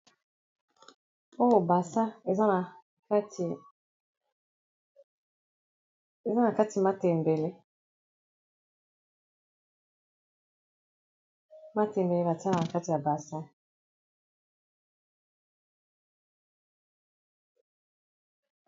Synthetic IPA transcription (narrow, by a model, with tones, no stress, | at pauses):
o˦o˨ba˨sa˦e˨za˦na˨ | ka˦tʰi˨ | e˨za˦na˨ka˦ti˨ma˦te˨m˨be˨le˦ | ma˦te˨mbe˨le˦ba˨ta˦ɾa˨na˨ka˦ti˨a˨ba˨sa˦